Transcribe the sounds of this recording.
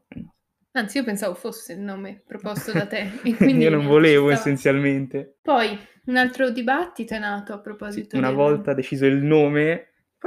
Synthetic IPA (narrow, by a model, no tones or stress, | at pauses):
ant̪siiːopensaːvofosːeilnoːmepɾopɔst̪od̪at̪eekind̪iionõɱvoleːvoesːent̪sjalment̪epɔj | unalt̪ɾod̪ibat̪ːit̪oɛnːaːt̪oapːɾopɔːzit̪ounavɔlt̪ad̪et͡ʃiːzoilnoːme